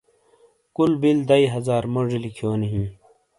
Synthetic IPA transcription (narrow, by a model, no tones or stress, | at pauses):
kulbild̪ɐiɦɐzaːɾmoʐilikʰjoːniɦĩː